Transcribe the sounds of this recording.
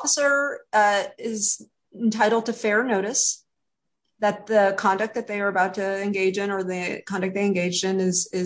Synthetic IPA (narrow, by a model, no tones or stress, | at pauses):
fəsə˞ | ɪz̃ | n̩tʰaɪɾl̩ˠd̚tɨfɛɹnoʊɾɨs | ðɨt̪̚ðɨkʰɑ̃ndɨk̚ðɨt̪̚ðeɪə˞ɨbaʊtʰɨɨ̃nɡeɪd͡ʒɨ̃nə˞ðikʰɑ̃ndɨk̚ðeɪɨ̃nɡeɪd͡ʒdɨ̃nɪz̥ɪ